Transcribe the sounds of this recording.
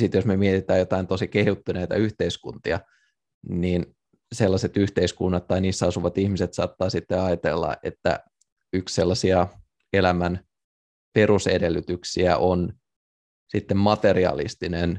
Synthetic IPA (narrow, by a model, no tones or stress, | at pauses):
sit̪josmemiet̪it̪æːjot̪ɑint̪osikehut̪ːyneit̪ɑ̰yht̪eiskṵnt̪iɑ | niːn | selːɑset̪yht̪eiskunːɑt̪t̪ːɑiniːsːæɑsuʋɑt̪ihmiset̪sɑ̰ːt̪ːɑːsit̪ːeɑjt̪ḛlːɑ̰ʔḛt̪ːæ̰ | yksselːɑsiɑ | elæmæn | perusedelːyt̪yksiæʔon | sit̪ːemmɑt̪eriɑ̰lḭst̪inen